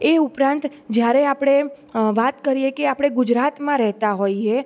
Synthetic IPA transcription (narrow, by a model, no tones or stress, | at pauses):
eupɾãnt̪ | d͡ʒjaɾeapɽ̃e | ʋat̪kəɾijekeapɽ̃eɡʊd͡ʒɾat̪mãɾɛɦt̪aɦoie